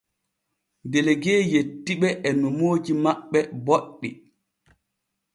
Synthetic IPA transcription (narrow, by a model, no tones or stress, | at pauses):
ndeleɡɛːjetːiɓɛʔɛnɔmoːd͡ʒimaɓːɛboɗːi